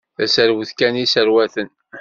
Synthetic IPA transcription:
θæsəɾwəθkænisəɾwæθən

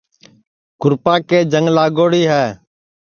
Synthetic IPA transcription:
kʊɾpaːkeːd͡ʒəŋlaːɡoːɽiːɦɛː

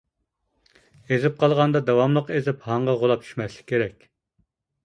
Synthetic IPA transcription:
ezɪp̚qʰɑlˠʁɑnd̪ɑd̪ɑwɑmlˠəqezɪphɑɴʁɑʁolˠɑp̚t͡ʃʰy̥ʃmɛslˠɪ̥kʲʰːeɾɛkʲ

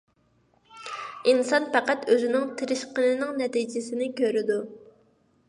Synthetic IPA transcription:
insɑnpæqæt̪øzɪnɪŋt̪ʰɪɾɪʃqənɪnɪŋnɛt̪id͡ʒɪsɪnɪkʲʰøɾɪd̪u

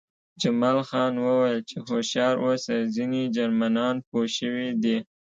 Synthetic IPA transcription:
d͡ʒamɑlxɑnwəwəjlt͡ʃexoʃjɑɾʔosazined͡ʒaɾmanɑnpoʃəwid̪i

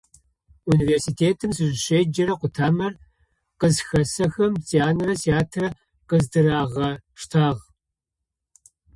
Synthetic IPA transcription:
univeːrsiːtʰeːtʰɨmsɨʒɪɕeːd͡ʒɐɾɐqʷʊtʰaːmɐr | qəzxɐsɐxɐmtʰeaːnrɐtʰeaːtʰrɐ | qəzdɨɾaːʁɐʂtʰaːʁ

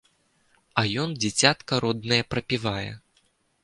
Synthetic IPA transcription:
ɐjɔnd͡zʲat͡sʲat̪kɐɾɔd̪nɐjɐpɾɐpʲivajɛ̰

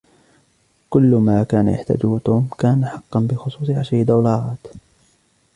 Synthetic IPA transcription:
kʊlːmaːkaːna̰ja̰ħt̪a̰ːd͡ʒuːt̪uːmkaːnaħɑqːɑnbɪxʊsˤuːsˤʕaʃd̪awlɑːʕɑːt̪

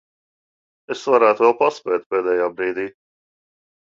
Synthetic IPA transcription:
ɪsːwɐɾɐt̪wɛlpɐspɛt̪pɛːd̪ɛjɐbɾiːd̪i

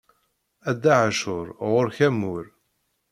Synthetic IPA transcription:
æd̪ːaʕaʃʊɾʁʊɾçæmːʊɾ

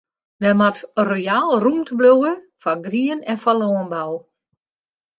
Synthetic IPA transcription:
dɛmatrojaːlˠrumtbluwə | faɡriənɛnfalɔːənbaw

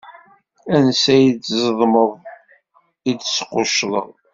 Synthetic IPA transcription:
ænsæjit͡szəðˤməðˤ | id̪sqoʃlˤə̰ʁˤ

